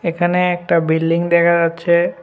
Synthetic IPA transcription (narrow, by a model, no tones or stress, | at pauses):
ekʰaneɛk̚ʈabilɖiŋd̪ɛkʰad͡ʒatːɕʰe